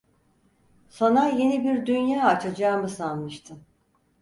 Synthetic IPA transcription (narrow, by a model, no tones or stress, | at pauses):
sanaje̞nibiɾd̪ynjaːat͡ʃʰad͡ʒaːmɯsanmɯʃt̪ʰɯm